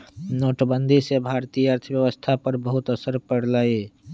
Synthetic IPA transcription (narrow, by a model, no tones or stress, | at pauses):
noːʈbənd̪ʱisebʱaːɾt̪ijəɾt̪ʰəbjəʋəst̪ʰapəɾbəɦʊt̪əsəɾpəɽlaːi